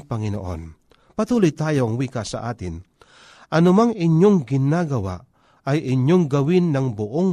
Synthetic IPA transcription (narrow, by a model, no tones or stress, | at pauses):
pɐŋɪno̰ʔo̰n | pɐt̪uːlʊjt̪aːjoɐŋwiːkasɐʔaːt̪ɪn | ʔɐnʊmaŋɪɲjoŋɡɪnaːɡɐwa̰ʔ | ɐjʔɪɲjoŋɡɐwɪnːɐŋbʊʔoŋ